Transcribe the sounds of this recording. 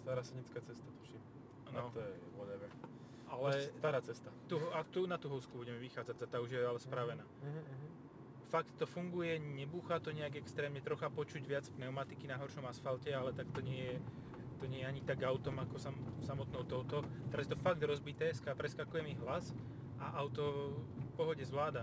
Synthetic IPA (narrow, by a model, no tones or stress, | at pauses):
st̪aɾaːsɛɲit͡skaːt͡sɛst̪at̪u̥ʃim | nɔt̪ɔjɛ | ɔd̪ɛʋɛ | alɛt̪aɾaːt͡sɛst̪at̪uɦɔakt̪unat̪uɦɔʊskubuɟɛmɛʋixaːd͡zaɟzat̪auʒjɛalɛspɾaʋɛnaː | fakt̪t̪ːɔfuŋɡujɛɲɛbuːxat̪ɔɲɛaɡɛkst̪ɾɛːmɲɛt̪ɾɔxapɔt͡ʃuɟʋɪat͡spnɛʊmat̪ikinaɦɔɾʃɔmasfalcɛalɛt̪akt̪ɔɲɪɛjɛ | t̪ɔɲɪɛjɛaɲit̪aɡaʊt̪ɔmakɔsamsamɔt̪nɔʊt̪ɔʊt̪ɔt̪ɛɾazjɛt̪ɔfaɡ̚d̪ɾɔzbit̪ɛːskapɾɛskakujɛmiɦlas | ʔaʔaʊt̪ɔfpɔɦɔɟɛzʋlaːd̪a